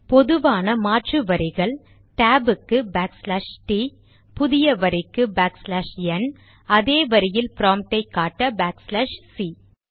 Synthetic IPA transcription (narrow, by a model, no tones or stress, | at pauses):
pɔðɯʋaːnɐmaːʈrɯʋɐɾɪɣɐɭ | ʈaːbɯkːɯbaːkslɐʂʈi | pʊðɪjɐʋɐɾɪkːɯbaːkslaʂɛn | ɐðeːʋɐɾɪjɪlpɪɾaːmʈɐɪkːaːʈːɐbaːkslɐʂsi